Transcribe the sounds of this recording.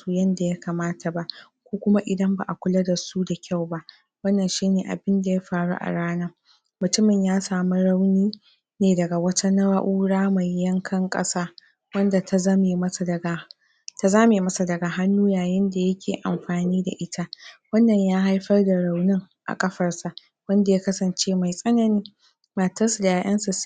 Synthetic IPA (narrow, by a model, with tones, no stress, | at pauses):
su˦jɐ˦nda˨ja˦kaː˨maː˦tʰa˨ba˦ʔ | kʷoː˦kʷʊ˦ma˦ʔɪ˨dɐ˦mba̰˨ʔa˨kʷʊ˦lɐ˦da˨su˦da˨kʲa˦˨wba˦ʔ | wɐ˦nːɐ˨nʃiː˦neː˨ʔa̰˨bɪ˦nda˨ja˦ɸaː˨ɽṵ˦ʔa̰˨ɽaː˦naː˦ | mʊ˨tʊ˦mɪ˨ɲjaː˦saː˨mu˦ɽa˦wniː˦ | neː˨dɐ˨ɡa˨wɐ˦tʰa˦nɐ˦wa˦ʔuː˦ɽaː˦ma˨jːɐ˦ŋkʰɐ˦ŋkʼɐ̰˦saː˦ | wɐ˦nda˨ta˦zɐ˦mi˨mɐ˦˨dɐ˨ɡa˨ | ta˨zaː˦me˨˦mɐ˦sa˨dɐ˨ɡaː˨ɦa˦nːuː˦jaː˨jɪ˦nda˨jɐ˦kʲʰḛː˨ʔa̰˨mɸaː˨niː˦da̰˨ʔɪ˦tʰa˦wɐ˦nːɐ˨ɲjaː˦ɦa˦jɸɐ˦rda˨ɽa˨wnɪ˦ŋ | ʔa̰˨kʼɐ˦ɸɐ˨rsa˨ | wɐ˦nda˨ja˦kɐ˦sɐ˨nt͡ʃeː˦ma˨jsʼɐ˦nɐ˨niː˦ | maː˨tɐ˦sʊ˨da˨jaː˨ʔɐ˦nsa˨